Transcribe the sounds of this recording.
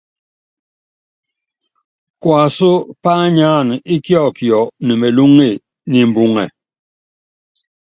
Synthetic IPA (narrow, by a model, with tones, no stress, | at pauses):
kwa˨so˦pa˦ɲa˦ni˦kjɔ˦˨kjɔ˨ni˨me˨lu˦ŋi˦˨ | ni˨m˨bu˨ŋɛ˨